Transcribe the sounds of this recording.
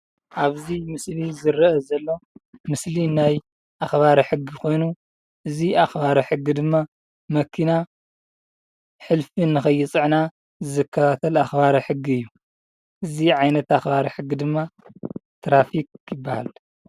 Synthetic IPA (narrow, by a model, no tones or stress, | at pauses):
ʔaβzimɨslizɨɾɐɐzɐlːo̞mɨslinaj | ʔaxβaɾɐħɨɡːikʰo̞jnu | ʔɨziaxbaɾɐħɨɡːid̪ɨmːa | mɐkʰːina | ħɨlfɨnːɨxɐjːɨt͡sʼɨʕna | zɨzɨkʰːɐt̪ʰat̪ʰɐlaxbaɾɐħɨɡːiɨjːu | ʔɨziʕajnɐt̪axbaɾɐħɨɡːid̪ɨmːat̪ʰɾafik̚jɪbːaha̰l